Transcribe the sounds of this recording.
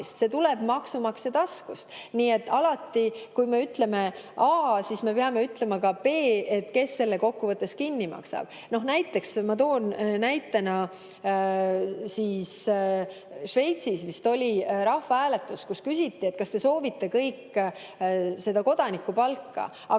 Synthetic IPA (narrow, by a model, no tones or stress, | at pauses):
st̪se̞t̪ule̞b̥mɑksumɑkset̪ɑskust̪niːe̞t̪ːˑɑlɑt̪ːikujme̞yt̪le̞me̞ | ʔɑːsisme̞peɑme̞yt̪le̞mɑkɑpe̞ːe̞t̪ːke̞sːe̞lːeko̞kːuvɤt̪ːˑe̞skinːimɑ̰ksɑ̰b̥ | no̞hnæjt̪ːˑe̞ksmɑt̪o̞ːnnæjt̪ːˑenɑ | siːs | ʃve̞jt̪sismist̪o̞lʲiɾɑhfɑæːle̞t̪ːˑuskuskysʲit̪ˑːie̞t̪̚kɑst̪e̞so̞ːvit̪ːe̞kɤjkː | se̞d̪̥ɑko̞d̪ɑnikːˑupɑlkːɑ̰ | ɑ